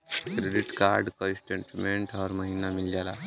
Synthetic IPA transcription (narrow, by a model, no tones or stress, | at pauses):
kɾeɖiʈkaɾɖkəɾisʈẽɳʈmẽɳʈɦɔɾməɦinamild͡ʒala